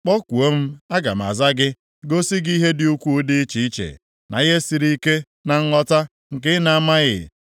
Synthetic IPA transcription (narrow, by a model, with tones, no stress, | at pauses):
k͡pɔ˦kʷu˨o˦m̩˦a˦ɡa̰˨m̩˨a̰˨za˦ɡɪ˦ | ɡo˦si˦ɡi˦ɦe˦dɪ˦u˦kʷu˦dɪ˦t͡ʃi˨i˦t͡ʃḛ˨ | na̰˨ɣe˦si˨ɾi˦i˦ke˦ | na˨ŋ̩˦ŋɔ˦ta˦ | ŋ̩˨kɪ˦na˨a˦ma˦ɣɪ̰˨